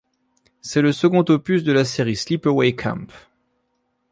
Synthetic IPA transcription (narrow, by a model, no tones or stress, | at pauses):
sɛləsəɡɔ̃t̪opysd̪əlaseʁislipəwɛkʰã̰mp